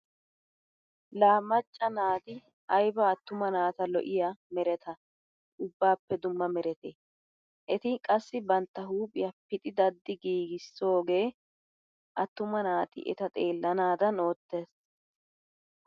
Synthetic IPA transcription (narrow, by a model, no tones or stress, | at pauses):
laːmːɐt͡ʃʼːɐnaːt̪ɪ | ɐjbɐːt̪ːʊmɐnaːt̪ɐlɔ̰ʔɪjamɛɾɛt̪ʰɐ | ʔʊbːaːpːɛd̪ʊmːɐmɛɾɛt̪e | ʔɛt̪ɪkʼɐsːɪbɐnt̪ːɐɦuːpʼɪjɐpɪt̪ʼɪd̪ɐd̪ːɪɡiːɡɪsːo̞ːɡe̞ː | ʔɐt̪ːʊmɐnaːt̪ɪ̰ʔɛ̰t̪ɐt̪ʼeːlːɐnaːd̪ɐno̞ːt̪ːe̞ːs